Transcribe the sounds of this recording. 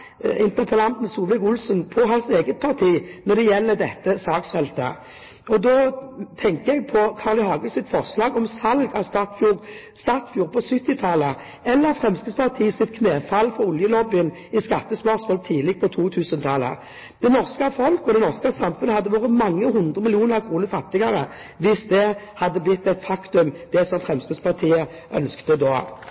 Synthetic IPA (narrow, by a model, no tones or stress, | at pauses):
ɪnt̪əpʰɑlɑnt̪ən̩suːʋlɪkʊlsənpʰɔɦɑnseːɡət̪̚pʰɑʁt̪ʰiːnɔd̪ɛjɛlːəd̪ɛt̪ːəsɑːksfɛlt̪ə̰ | ɔd̪ɔt̪ʰɛŋkəɛɡ̚pʰɔkʰɑːʁləhɑːɡəlsɪt̪fɔʁslɑːɡɔmsɑlɡɑst̪ɑfjuːʁ | st̪ɑːt̪fjuːʁpʰɔsʏt̪ːɪt̪ʰɑlə | ɛlːəʁfʁɛmskəspʰɑʁt̪ʰiːsɪt̪̚kʰneːfɑlːfɔɾʊljəlɔbɪən | ɪskɑt̪ːəsmœʁsmoːlt̪ʰiːlɪɡ̚pʰɔt̪ʰuːt̪ʰʉːsənt̪ʰɑlə̰ | d̪̥ɛnɔʁskəfɔlkɔd̪ɛnɔʁskɑsɑmfʉnəhɑd̪ːəʋoːʁəmɑŋːəɦʊnd̪ʁəmɪlɪuːnəʁɑkʰʁuːnəɾfɑt̪ːɪɡɑɾə | ʋɪsd̪ɛhɑd̪ːəblɪt̪ːæt̪fɑkt̪ʉmd̪̥ɛsɔmfʁɛmskəspʰɑʁt̪ʰiːə | ʔœnskt̪əd̪oː